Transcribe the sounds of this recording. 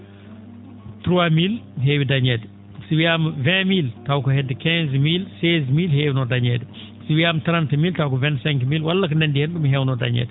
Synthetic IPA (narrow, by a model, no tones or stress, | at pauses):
tɾwamilɦewidɐɲɛd | siwiamvɛ̃miltawkɔɦɛdːəkɛ̃zmilsezmilhewinɔdaɲɛd | siwiamtɾãntmiltawkɔvɛntsɛ̃ŋkmilwalːɐkənɛndihɛnɗumiɦɛwnɔda̰ɲɛ̰d